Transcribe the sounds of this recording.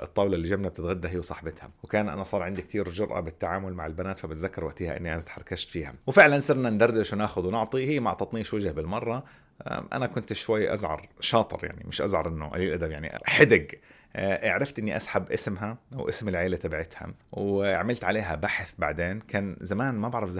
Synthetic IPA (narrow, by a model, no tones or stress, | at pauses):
ʔɨ̰t̪ˤːɑːwlalːiːd͡ʒabnab̚t̪ɪt̪ɣad̪ːaɦiːwsˤɑħbɪt̪ha̰wkaːnʔa̰nasˤɑːɾˤʕɪnd̪ikt̪ʰiːɾd͡ʒʊɾʔa̰bɪt̪ːaʕaːmʊlmaʕɪlbanaːt̪fabɪt̪ðakːɑɾˤwaʔt̪iːha̰ʔɪ̰nːiʔanat̪ħɑrˤkaʃt̪fiːha̰wfɪʕlansɪɾnand̪ɑrˤːɪʃwnaːxʊðwnʊʕt̪ˤihijːmaʕt̪ɑt̪ˤniːʃwad͡ʒhabɪlmɑrˤːɑ | ʔa̰nakʊnt̪ʃwajːʔa̰zʕɑ̰ɾˤʃɑːt̪ˤɨ̰ɾja̰ʕnḭmɪʃʔa̰zʕɑɾˤʔɪnːʊʔa̰liːlʔad̪abjaʕnḭħad̪aɡ | ʔaʕɾɪft̪ʔɪnːiʔasħabʔɪsmɦawʔɪsmɪlʕeːlat̪abʕɪt̪ha̰wʕamɪlt̪ʕaleːɦabaħθbaʕd̪eːnkʰaːnzamaːnmabaʕɾɑfza